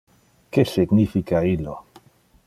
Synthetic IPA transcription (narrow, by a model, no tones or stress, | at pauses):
kesiɡnifikailo